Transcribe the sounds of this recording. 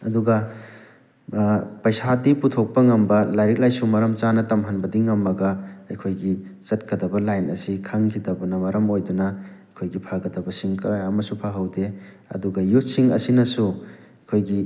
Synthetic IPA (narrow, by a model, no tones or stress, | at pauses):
ɐduɡɐ | pɐjsadiputʰok̚pɐŋɐmbɐlajɾik̚lajsumɐɾɐmt͡ʃanɐtɐmɦɐnbɐdiŋɐmːɐɡɐɐjkʰojɡizɐtkɐdɐbɐlajnɐsikʰɐŋkʰidɐbɐnɐmɐɾɐmojdunɐɐjkʰojɡipʰaɡɐdɐbɐsiŋkɾaamɐsupʰaɦɐwde | ɐ̰duɡɐjut̚siŋɐ̰sinɐsu | ɐjkʰojɡi